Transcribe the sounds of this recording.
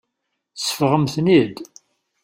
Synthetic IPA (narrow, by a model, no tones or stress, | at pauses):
θsəfʁəmθnid̪